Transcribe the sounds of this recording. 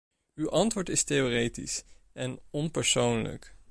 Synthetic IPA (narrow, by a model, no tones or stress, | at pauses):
ywʔɑntʋʊːɹtɪstejoːrejtḭsɛnɔnpəɹsownlə̰k